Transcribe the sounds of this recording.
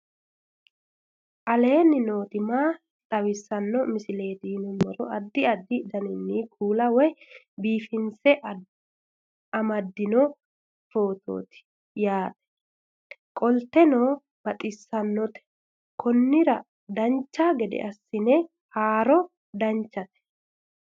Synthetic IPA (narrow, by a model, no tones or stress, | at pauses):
ʔɐle̞ːnːɪno̞ːt̪ɪmaː | t̪ʼɐwɪsːɐnːɔmɪsɪle̞ːt̪iːnʊmɔɾɔ̰ʔɐd̪ːɪɐd̪ːɪd̪ɐnɪnːikʰuːlɐwɔj | biːfɪnsɛʔ | ɐmɐd̪ːɪnɔ | fo̞ːt̪o̰ːt̪ɪ̥ | jaːt̪ʼɛ̥ | kʼɔlt̪ːɛnoː | b̥ɐt̪ʼɪsːɐnːɔt̪ɛ̥ | kʰɔnːɪɾɐ | d̪ɐnt͡ʃːaːɡɛd̪ɛ̰ʔɐsːɪnɛ | haːɾɔ | d̪ɐnt͡ʃːɐt̪ɛ̥